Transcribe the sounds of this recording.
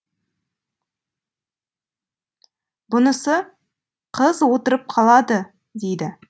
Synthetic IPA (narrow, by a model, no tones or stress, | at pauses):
bʊnəsə | qʰəzwo̞t̪əɾəp̚qʰɑlˠɑd̪ə | d̪e̞jd̪ɪ